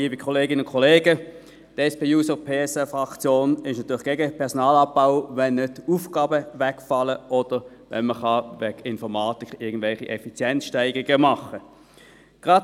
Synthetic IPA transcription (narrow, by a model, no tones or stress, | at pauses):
iːbikʰɔleːɡɪnəʊnkʰɔleːɡə | d̥ɛspeːjuːsəpʰeːɛsɛfʁɑkt͡sjoːnɪʃnɑt̪ʰyːlɪ̥ɡ̥eɡəpʰɛʁsɔnɑːlɑb̚baʊvɛnːøtuːfɡ̥ɑːbəʋɛkfɑlːəʔɔd̥əʁʋɛ̰nməχɑʋɛɡɪnfɔʁmɑːtikɪɐɡən̩d̥vɛlχiʔɛfit͡sjɛnt͡sʃtæɪɡ̥ʁiɡ̥əmɑχə | ɡ̥ʁɑt